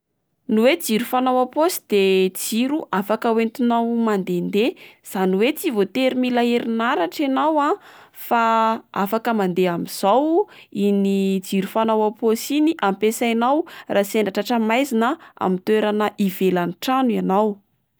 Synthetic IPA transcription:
nuwed͡ziɾufanawaposi̥d̪̥ed͡ziɾuʔafakəwent̪unawmand̪end̪ez̥aniwet͡sivot̪eɾimilaeɾinaɾaʈ͡ʂanawafaafakəmand̪eamiz̥awinid͡ziɾufanawaposiniʔampesajnawrʔaːseɳɖ͡ʐaʈ͡ʂaʈ͡ʂəmajzinəa̰mint̪weɾanəʔivelaniʈ͡ʂanuanaw

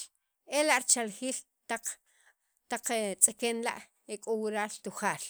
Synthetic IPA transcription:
elaʔɾt͡ʃalχiːl | t̪aq͡χ | t̪aq͡χet͡sʼekeːnla̰ʔ | ekʼowiɾaːlt̪uχaːl

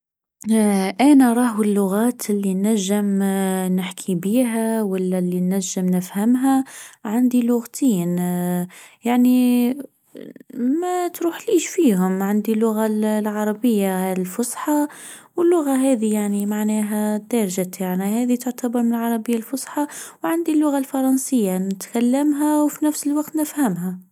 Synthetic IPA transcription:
ʔænæɾˤɑːɦɪlːʊɣæːt̪ɪlːinːæʒːɪmnɪħkʰibiːɦæwalːælːinːæʒːɪmnɪfhamɦæʕand̪ilʊɣt̪ʰiːn | jaʕni | mæt̪ɾuːħliːʃfiːɦʊmʕand̪ilːʊɣallʕɑɾˤɑbəjːalfʊsˤħɑwəlːʊɣaɦɛːd̪ijaʕnimaʕnɛːɦæd̪ɑɾˤʒat̪aʕnihɛːðit̪ʊʕt̪abɑɾˤmənəlʕɑɾˤɑbəjːalfʊsˤħɑwʕand̪ilːʊɣalfɑɾˤɑnsəjːanɪt̪kalːamɦæwfinæfsəlwɑqt̪nəfhæmɦæ

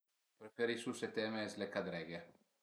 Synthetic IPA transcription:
pɾefeɾisuset̪ɛmeɛzlekad̪ɾɛɡe

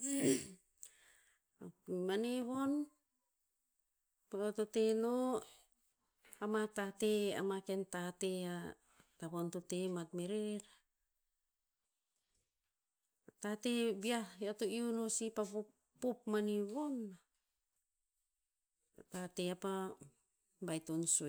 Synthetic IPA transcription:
amaneβon | paototeno | amatatea̰makentatea | taβontotematmeɾeɾa | tatebiaatoiunosipaβo | popmaniβonːa | tateapa | bajtonso

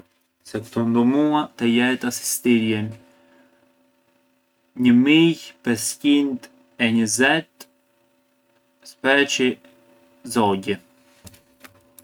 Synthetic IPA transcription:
sɛkt̪ɔnd̪umuat̪ɛjɛt̪asi̥st̪iɾjɛn | ɲəmijpɛscint̪ | ɛɲəzɛt̪ | spɛt͡ʃi | zɔɟɛ

